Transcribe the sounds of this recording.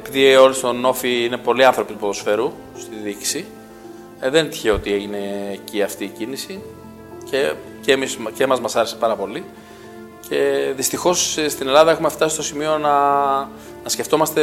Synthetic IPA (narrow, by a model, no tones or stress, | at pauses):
epiðio̞list̪o̞no̞fiine̞po̞liɐnθɾo̞pit̪pot̪osfe̞ɾu | st̪iðiksi | ðent̪i̥çeo̞t̪ie̞ʝine̞ːciɐft̪iːcinisi | ce | cemiscemɐzmɐsɐɾesepɐɾɐpo̞li | cʰe̞ðist̪ixo̞sst̪ine̞lɐðɐe̞xumeft̪ɐsist̪osimio̞nɐ | nɐsce̞ft̪o̞mɐst̪e̞